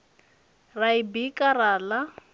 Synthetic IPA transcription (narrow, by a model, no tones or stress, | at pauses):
raibikʼarala